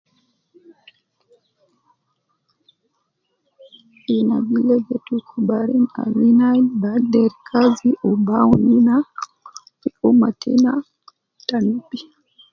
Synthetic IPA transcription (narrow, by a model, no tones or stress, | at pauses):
inabilɛɡɛtukʰubaɾina̰minanbadɛɾkʰaziʔɔbawunina | iumatʰɛ̰na | tanupi